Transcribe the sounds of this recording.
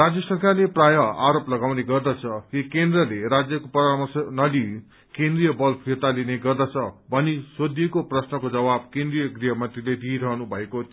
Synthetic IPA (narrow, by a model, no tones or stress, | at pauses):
rad͡zjʌsʌrkarleprajʌaɾoplʌɡawneɡʌrd̪ʌt͡sʰʌkikend̪rʌleɾad͡zjʌkopʌɾamʌsnʌli | kend̪rijʌbʌlpʰirt̪alineɡʌrd̪ʌt͡sʰʌbʱʌnisod̪ʱekoprʌsnʌkod͡zʌbab̚kẽnd̪rijʌɡrijʌmʌnt̪riled̪iɾʌɦnubʱʌeko